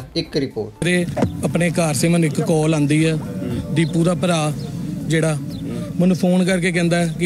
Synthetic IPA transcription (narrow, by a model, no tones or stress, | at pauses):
ɪkɾɪpo̰ːʈɾeːəpneːkaːɾseːmənːũːɪkːɔːlãːnd̪iːɛːɖiːpːuːd̪aːpəɾaːd͡ʒeːɽaː | mənũːpʰoːnkəɾkeːk̬ɛ̃ːnd̪aːɛkɪ